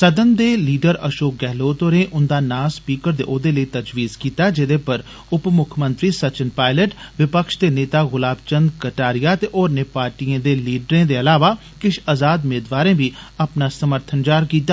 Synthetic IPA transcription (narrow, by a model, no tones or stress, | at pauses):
səd̪ənd̪eːliːɖəɾəʃoːk̚ɡɛɦloːt̪oɾẽːʔʊnd̪aːnaːspiːkəɾd̪ḛːʔoːd̪eːləit̪əd͡ʒʋiːzkiːt̪aːd͡ʒɪd̪eːpəɾ | ʊpmʊkʰmə̃nt̪ɾiːsət͡ʃənpaːɪləʈʋɪpəkʃd̪eːneːt̪aːɣʊlaːbt͡ʃənd̪kəʈaːɾijaːt̪eʔɔːɾneːpaːɾʈiẽːd̪eːliːɖɾẽd̪eɐlaːʋaː | kɪʃazaːd̪meːd̪ʋaːɾẽːbʱiːɐpnaːsəməɾt̪ʰənd͡ʒaːɾkiːt̪aː